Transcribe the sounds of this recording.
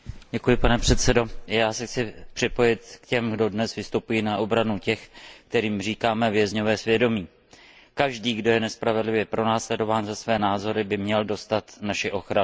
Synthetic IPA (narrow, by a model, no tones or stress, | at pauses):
ɟɛkujɪpanɛpr̥ɛt̪sɛdo̞jaːsɛxt͡sɪpr̝̥ɪpo̞jɪt̪kcɛmɡdo̞dnɛsvɪst̪upujinaʔobɾanucɛxk̚t̪ɛɾiːmr̝iːkaːmɛvjɛzɲo̞vɛːsvjɛdo̞miː | kaʒdiːɡdo̞jɛnɛspɾavɛdlɪvjɛpɾʔo̞naːslɛdo̞vaːnzasvɛːnaːzo̞ɾɪbɪmɲɛldo̞st̪at̪naʃɪʔo̞xɾa